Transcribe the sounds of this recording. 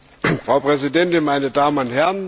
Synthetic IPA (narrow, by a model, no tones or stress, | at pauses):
fʁ̥aʊpʁ̥ɛzidɛntɪnmaɪnədaːmənʊntɦɛʁn